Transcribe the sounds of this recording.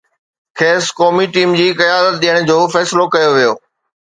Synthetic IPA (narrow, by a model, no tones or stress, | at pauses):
kʰeːskɔːmiʈiːmd͡ʑiːkɐjaːd̪ət̪̚ɗijəɽ̃d͡ʑoːfɛːsɪlokɐjoʋijoː